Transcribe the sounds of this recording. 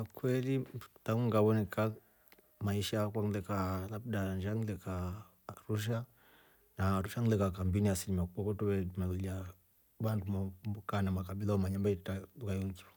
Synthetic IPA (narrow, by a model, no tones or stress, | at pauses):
akwɛlitaŋuŋɡaβɔnɛka | maiʃakwaŋlɛkalabdand͡ʒaŋilɛka | ɾuʃ̬a | naɾuʃaŋlɛkakambiniasilimakukɔkɔtuβɛmalula | βandumɔmbukanamakabilaɔmaɲambaitaukajɔŋkua